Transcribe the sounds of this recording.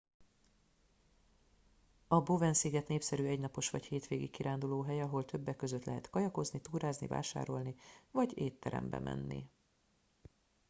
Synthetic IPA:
ɒbovɛnsiɡɛt̪neːpsɛɾyɛɟnɒpo̞ʃʋɒ̰cheːt̪ʋeːɡḭkkːiɾʔaːnd̪uloːɦɛjɒɦo̞lt̪ʰø̞bːɛkːøzø̞t̪lɛɦɛt̪kɒjɒko̞znit̪uːɾaːznḭva̰ːʃa̰ːɾo̞lnivɒɟeːt̪ːɛ̰ɾɛ̰mbɛ̰mʔɛ̰nːḭ

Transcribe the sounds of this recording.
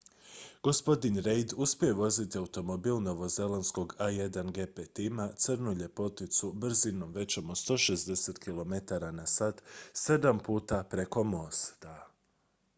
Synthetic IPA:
ɡ̥o̞spo̞d̪inɾejd̪uspije̞ʋo̞zit̪iaut̪o̞mobiːlˠno̞ʋo̞ze̞lansko̞ɡaje̞d̪anɡe̞pet̪imat̪sɨrnuʎe̞po̞t̪it̪subr̩zino̞mʋe̞t͡ɕomot̪st̪o̞ːʃezd̪e̞se̞t̪kilˠo̞me̞t̪aɾanasat̪sed̪ampuːt̪apɾe̞ko̞mo̞st̪a

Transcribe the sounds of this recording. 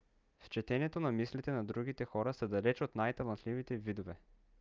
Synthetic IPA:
ft͡ʃɛt̪ɛnɛt̪onɐmislit̪ɛnɐd̪ɾuɡ̟it̪ɛxɔɾɐsɐd̪ɐlɛt͡ʃot̪najt̪ɐlˠɐnt̪livit̪ɛvid̪ovɛ

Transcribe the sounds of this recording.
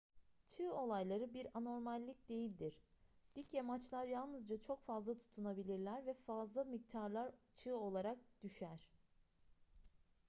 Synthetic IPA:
t͡ʃʰɯːo̞lˠajlˠaɾɯbiɾano̞ɾmalʲːic̚d̪e̞jilʲd̪iɾ̥d̪̥icjamat͡ʃlˠaɾjalˠnɯzd͡ʒat͡ʃʰo̞kfazlˠat̪ʰu̥t̪ʰunabilʲiɾlʲæɾvɛfazlˠamik̚t̪ʰaɾlˠaɾt͡ʃʰɯːo̞lˠaɾak̚d̪̥yʃæɾ̥

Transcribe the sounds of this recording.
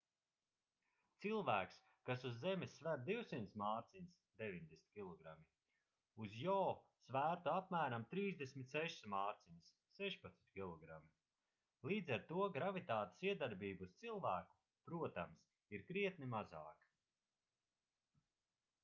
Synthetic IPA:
t̪silˠvæːks | kasuzːɛmɪsːvæɾd̪iwsimnt̪smaːɾt̪sinsd̪evʲiɲʲd̪esʲm̥ʲt̪ʲkʲilˠɔɡɾami | uzjɔːsvæːɾt̪uapmæːɾamt̪ɾiːzd̪esʲmʲit̪sɛʃsmaːɾt̪sins | sɛʃpat̪smi̥t̪̚ʲkʲilˠɔɡɾami | lˠiːd̪zɛɾt̪uɔɡɾavit̪aːt̪e̥siɛd̪aɾbiːbust̪silˠvæːku̥ | pɾuɔt̪ams | iɾkɾiɛt̪nimaza̰ːk

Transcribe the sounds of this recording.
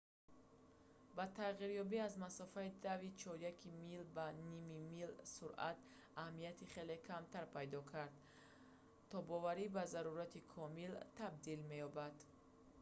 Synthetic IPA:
bat̪ʰaʁiɾjɔbiazmasɔfaid̪avit͡ʃʰɔɾjakʰimilbanimimilsuɾʔa̰t̪ | ahmijat̪ʰiχe̞le̞kʰamt̪ʰaɾpʰajd̪ɔkʰaɾd̪ | t̪ʰɔbɔvaɾibazaɾuɾat̪ʰikʰɔmilt̪ʰab̚d̪ilme̞jɔbad̪

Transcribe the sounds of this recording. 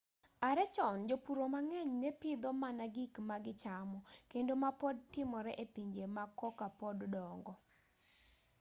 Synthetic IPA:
aɾɛt͡ʃɔnd͡ʒopuɾomaŋɛɲnɛpɪd̪ɔmanaɡikmaɡɪt͡ʃamɔkendomapɔdtɪmɔɾɛʔepiɲd͡ʒemakɔkapɔddɔŋɡɔ

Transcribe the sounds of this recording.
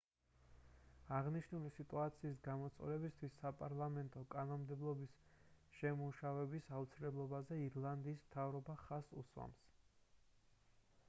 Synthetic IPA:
aʁniʃnulisit̪ʼuat̪sʰiːsɡamɔt̪sʼɔ̰lɛbist̪ʰwisːapʼaɾlˠamɛnt̪ʼɔkʼanɔmmd̪ɛblˠɔbisʃɛmuʃavɛbisaut̪sʰilɛblˠɔbazɛiɾlˠand̪iːsmt̪ʰavɾɔbaχasṵswa̰ms

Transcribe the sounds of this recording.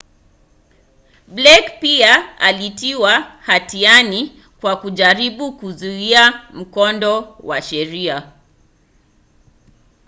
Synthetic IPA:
blɛkpiaalitiwahatiani | kwakuʄaɾiɓukuzuiam̩kɔndɔwaʃɛɾia

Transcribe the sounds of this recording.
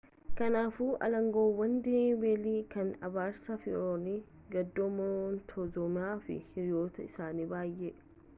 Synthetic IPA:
kɐnaːfuːʔɐ̰lɐŋɡoːwːɐnd̪ebeːliːkɐnɐ̰baːɾsɐfɪ̰ʔoːni | ɡɐd̪ːomɔnt̪ʰɔd͡ʒɔmɪaːfɪ̰hɪɾɪjoːt̪ɐɪsaːniːbaːjːɛ

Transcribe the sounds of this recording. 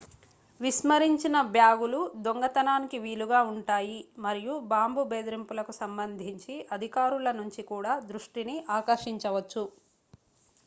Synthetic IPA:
ʋiʃmɐɾiɲt͡ʃinɐbjaːɡulud̪oŋɡɐt̪ɐnaːnikiʋiːluɡaːuɳʈaːjimɐɾijubaːmbubeːd̪ɾimpulɐkusɐmbɐnd̪ʱiɲt͡ʃiʔɐd̪ʱikaːɾulɐnuɲt͡ʃikuːɽaːd̪ɾuʂʈiniʔaːkɐʂiɲt͡ʃɐʋɐt͡ʃːu

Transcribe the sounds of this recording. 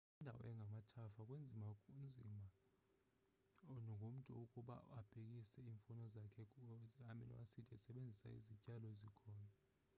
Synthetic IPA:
indʱa̰wɔ̰ɛŋʱamatʰafakʼwend͡zʱimakund͡zʱima | nɔŋʱom̩tʼṵokʼuɓa̰ab̥ʱek̬ʼisɛiːɱfunɔzakʰɛk̬ziamɛ̰nɔ̰wasitʰʼiɛsɛɓend͡zʱisa̰ḭzicʼalɔezikʰɔːna

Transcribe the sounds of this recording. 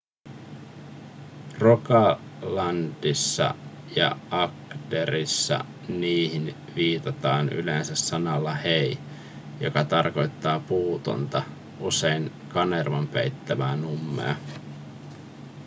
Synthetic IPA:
rokɑlɑnd̥isːɑ̰ | jɑ̰ʔɑkdeɾisːɑ̰ | niːhin | ʋiːt̪ɑt̪ɑːny̰le̞nsæsːɑnɑlːɑhej | jo̞kɑt̪ɑrko̞jt̪ːɑːpuːt̪o̰nt̪ɑ | ʔuse̞jŋ | kɑne̞rʋɑmpḛjt̪ːæʋæːnumːḛɑ

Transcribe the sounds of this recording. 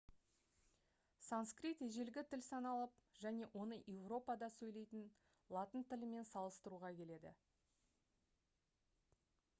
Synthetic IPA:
sanskrit̪eʒe̞lɡʲɪt̪ʰɪlsɑnɑlˠəpʒ̥æne̞ʔwʔo̞nəʔevro̞pɑd̪ɑsɵjle̞jt̪ɪn | lˠɑt̪ənt̪ʰɪlɪme̞nsɑlˠəst̪əɾuʁɑkʲʰe̞le̞d̪ɪ̰

